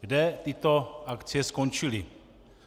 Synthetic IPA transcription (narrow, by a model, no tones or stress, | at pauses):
ɡdɛt̪ɪt̪oʔakt͡siɛskont͡ʃili